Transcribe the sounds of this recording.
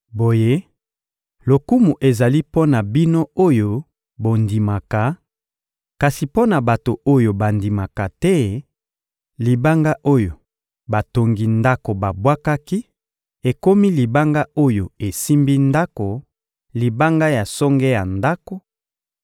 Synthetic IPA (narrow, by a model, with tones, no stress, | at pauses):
bo˨je˦ | lo˨ku˦mu˨ʔe˨za˨li˦po˦na˨bi˦no˦o˦jo˦ | bo˨ndi˨ma˨ka˨ | ka˨si˨po˦na˨ba˨to˨o˦jo˨ba˨ndi˨ma˨ka˨tɛ˦ | li˨ba˦ŋɡa˦ʔo˦jo˨ | ba˨to˨ŋɡi˨nda˦ko˨ba˨bwa˦ka˦ki˦ | e˨ko˦mi˦li˨ba˦ŋɡa˦o˦jo˨e˨si˦mbi˦nda˦ko˨ | li˨ba˦ŋɡa˦ja˨sɔ˦ŋɡɛ˦ja˨nda˦ko˨